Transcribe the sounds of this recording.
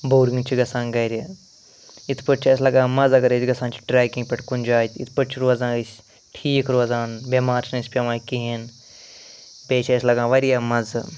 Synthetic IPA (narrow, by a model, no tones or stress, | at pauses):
boːɾiŋɡt͡ʃʰiɡɐsãːnɡɐjɾʲe | it̪ʰpəʈ̚t͡ʃʰɐs̬ʲlɐɡãːmɐd͡zɐɡɐɾet͡ʃʲɡɐsãːnt͡ʃʰi̥ʈɾɛːkĩŋɡpʲeʈkunʲd͡ʒaːt̪ʲʰḭt̪ʰpəʈ̚t͡ʃʰiɾoːzãːɨsʲ | ʈʰiːkɾoːzaːnbemaːɾt͡ʃnɐspʲɐʋaːkiɦin | bʲeːt͡ʃʰɐːsʲlɐɡãːʋɐɾijaːmɐz